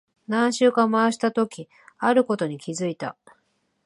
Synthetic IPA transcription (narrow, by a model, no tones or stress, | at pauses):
nãɰ̃ɕɨːkãmaɕi̥t̪at̪o̞kʲi | aɾɯ̟ko̞t̪o̞ɲ̟ikʲizɨit̪a̰